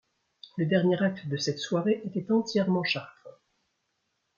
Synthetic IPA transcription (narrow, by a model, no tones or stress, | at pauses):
ləd̪ɛʁnjeʁak̚t̪d̪əsɛt̪swaʁeʔet̪ɛt̪ɑ̃t̪jɛʁmɑ̃ʃaʁt̪χə